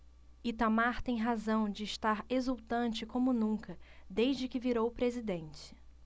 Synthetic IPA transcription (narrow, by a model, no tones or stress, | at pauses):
it̪amaɾt̪ẽj̃ɦazɐ̃w̃d͡ʒɪːʃt̪aɾezuwt̪ɐ̃nt͡ʃɪkõmʊnũŋkɐd̪ejʒd͡ʒɪkɪviɾowpɾezid̪ẽnt͡ʃɪ̥